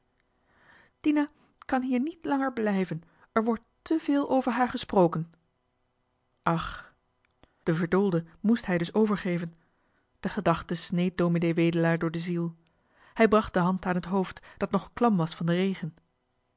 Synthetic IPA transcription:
d̥ina | kɑnɦiːɹnitlɑŋəɹblɛjvən | ɛɹʋɔɹtː | əveːlˠʔowvəɹɦaːɹχəsprowkən | ʔɑχ | d̥əvəɹdulˠdəmustɦɛjdɵsowvəɹχejvən | d̥əχədɑχtəsnejt̚doːminejʋeːjdəlaːɹdʊːɹdəzilˠ | hɛjbrɑχt̚dəɦɑntaːnɦətɦowftd̥ɑtnɔχklɑmʋɑsfɑndərejχən

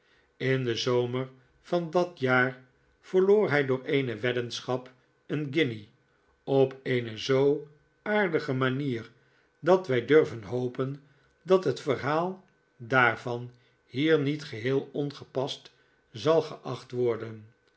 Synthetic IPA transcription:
ɪndəzoʊməɹ | fɑndɑtjaːr | v̥əɹloːɹɦɛjdʊːɹejnəʋɛdənsχɑp | ənɡɪni | ɔpʰeɪnəzow | aːɹdəχəmaniːr | dɑtʋɛjdørvənɦowpən | dɑtɦətfərɦaːlˠ | daːɹvɑn | hiːɹnitχəɦɪːlˠɔnχəpɑst | zɑlˠχəʔɑχtʋɔɹdən

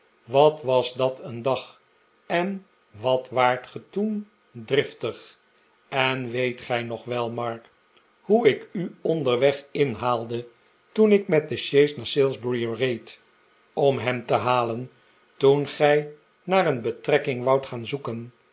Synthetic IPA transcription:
ʋɑtʋɑsdɑtəndɑχ | ɛn | ʋɑtʋaːɹtχətun | drɪftəχ | ɛnʋejtχɛjnɔχʋɛlˠmɑɹk | huɪkyɔndəɹʋɛχɪnɦaːlˠdə | tunɪkmɛt̚dəʃejsnaɹsɪlˠzbɹiərejt | ɔmɦɛmtəɦaːlən | tunχɛj | naːɾənbətrɛkɪŋʋɑwtχaːnzukən

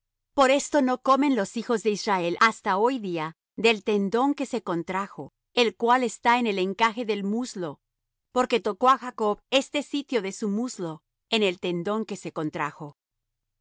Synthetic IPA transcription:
po̞ɾe̞st̪o̞noko̞mẽ̞nlo̞sixo̞zðe̞izrae̞lʔast̪ao̞jðia | ðe̞lt̪end̪o̞ŋke̞se̞ko̞nt̪ɾaxo̞ | e̞lkwale̞st̪aene̞le̞ŋkaxe̞ðe̞lmuzlo̞ | po̞ɾke̞t̪o̞ko̞axako̞βe̞st̪e̞sit̪jo̞ðe̞sumuzlo̞ | ene̞lt̪e̞nd̪o̞ŋke̞se̞ko̞nt̪ɾaxo̞

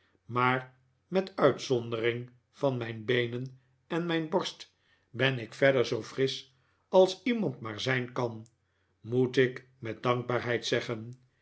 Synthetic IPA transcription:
maːɹ | mɛtœɥtsɔndəɾɪŋ | vɑnmɛjnbejnən | ɛnmɛjnbɔɹst | bɛnɪkfɛdəɹzowfrɪs | ɑlˠsimɑntmaːɹzɛjnkɑn | mutɪk | mɛt̚dɑŋɡ̚baːɹɦɛjtsɛχən

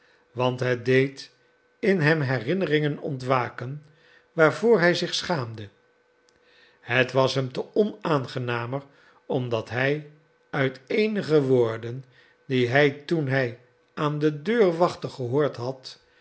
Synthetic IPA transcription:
ʋɑntɦɛdejt | ɪnɦɛmɦɛrɪnərɪŋənɔ̰ntʋaːkən | ʋaːɹvoːɹɦɛjzɪχsχaːmdə | hətʋɑsɦɛmtəɔnaːnχənaːmər | ɔmdɑtɦɛj | œɥtejnəχəʋoːɹdən | diɦɛjtunɦɛj | aːndədøːɹʋɑχtəχəɦoːɹtɦɑt

